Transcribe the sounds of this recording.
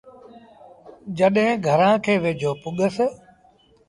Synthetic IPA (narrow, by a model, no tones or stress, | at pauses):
d͡ʒəɗɦɪ̃ɡʱəɾãːkʰeːʋeːd͡ʒʱoːpʊɠəs